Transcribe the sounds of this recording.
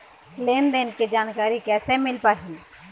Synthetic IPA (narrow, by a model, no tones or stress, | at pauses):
leːnd̪enked͡ʒaːnkaːɾikɛːsemɪlpaːɦĩː